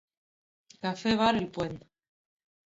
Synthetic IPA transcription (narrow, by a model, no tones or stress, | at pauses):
kafeβaɾelpwen